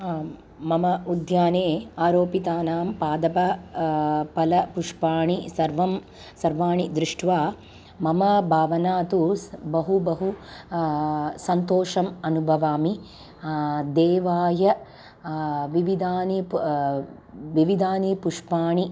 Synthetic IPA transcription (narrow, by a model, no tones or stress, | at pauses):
mɐmɐʔud̪ʱjaːneːaːɾoːpit̪aːnaːmpaːd̪ɐpɐ | pɐlɐpuʂpaːɳisɐɾʋɐm | sɐɾʋaːɳid̪ɾiʂʈʰʋaː | mɐmɐbʱaːʋɐnaːt̪ubɐɦubɐɦu | sɐnt̪oːʂɐmɐnubʱɐʋaːmi | d̪eːʋaːjɐ | ʋiʋid̪aːni | ʋiʋid̪aːnipuʂpaːɳi